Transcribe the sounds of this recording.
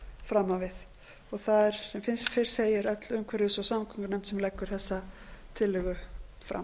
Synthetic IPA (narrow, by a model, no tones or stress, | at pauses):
fɾamːawvɪθ | ɔɣθaðɛɾ̥sɛmfɪnst̪feɾ̥seːjɪɾœt̪lʏmkʰvɛɾɪsɔsamkʰɔŋknant̪sɛmlɛkːʏɾ̥θɛsːat̪ʰɪlːʏɣʏfɾa̰m